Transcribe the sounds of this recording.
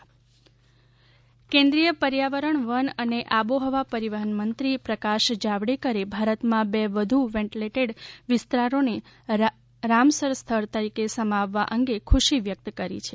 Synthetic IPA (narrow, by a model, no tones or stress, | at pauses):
kẽnd̪ɾijəpəɾjaʋəɾəɳʋənəneʔaboɦəʋapəɾiʋəɦənmənt̪ɾipɾəkaʃd͡ʒaʋɽekəɾebʱaɾət̪mãbɛʋəd̪ʱuʋɛ̃ɳʈileʈeɖʋɪst̪ɾaɾone | ɾamsəɾst̪ʰəɾt̪əɾikesəmaʋːaʔəŋɡekʰuʃiʋjək̚t̪kəɾḭt͡ʃʰe̥